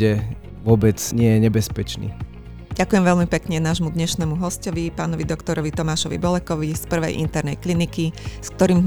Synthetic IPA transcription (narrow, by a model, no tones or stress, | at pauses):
ɛ | ʋʊɔbɛt͡sɲɪɛjɛɲɛbɛspɛt͡ʃnḭː | ɟ̥akujɛmʋɛlmipɛkɲɛnaːʒmud̪ɲɛʃnɛmuɦɔscɔʋipaːnɔʋid̪ɔkt̪ɔɾɔʋit̪ɔmaːʃɔʋḭbɔlɛkɔʋispr̩ʋɛ̰jʔḭnt̪ɛɾnɛjklinikisk̚t̪ɔɾiːm